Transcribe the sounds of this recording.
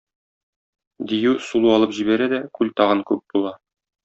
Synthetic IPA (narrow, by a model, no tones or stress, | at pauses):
d̪ijʉsulˠuɒlˠɤpʑibæɾæd̪ækʉlt̪ɒʁɤnkʉp̚b̥ulˠɑ